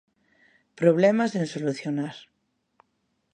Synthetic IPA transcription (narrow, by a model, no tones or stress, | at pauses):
pɾoβ̞lemazðensoluθjonaɾ